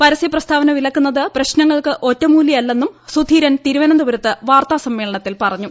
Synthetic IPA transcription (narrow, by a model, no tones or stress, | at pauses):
pɐɾɐsjɐprɐst̪ʰaːʋɐnɐʋilɐkːunːɐðɨprɐɕnɐŋːɐɭkɨʔo̞tːɐmuːljɐjɐlːe̞nːumsud̪ʱiːɾɐnt̪iɾuʋɐnɐnd̪uʋɐɾɐt̪ːɨʋaːrt̪aːsɐmːe̞ːɭɐɳɐt̪ːilpɐrɐɲːu